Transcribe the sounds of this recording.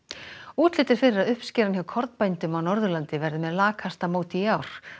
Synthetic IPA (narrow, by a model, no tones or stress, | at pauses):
uːt̪lɪːt̪ɪɾ̥fɪɾɪɾaðʏhpscɛːɾançjawkʰɔɾt̪npajnt̪ʏmawnɔɾðʏlant̪ɪvɛɾðɪmɛðlaːkʰhast̪amoːwt̪iiaːwɾ̥